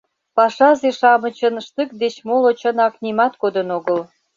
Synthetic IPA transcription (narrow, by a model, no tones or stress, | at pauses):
pɑʃɑzeʃɑmə̆t͡ɕənʃt̪ɨk̚d̪et͡ɕmolot͡ɕənɑknimɑt̪kod̪ənoɣəl